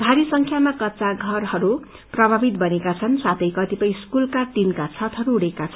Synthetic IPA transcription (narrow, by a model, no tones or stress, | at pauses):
d̪ʱaɾisʌŋkʰjamakʌtːsaɡʱʌrhʌɾu | prʌbʱabit̪bʌnekat͡sʰʌnsat̪ʌjkʌt̪ipʌj̃skulkat̪inkat͡sʰʌt̪ʰɦʌɾuːɽekat͡sʰʌn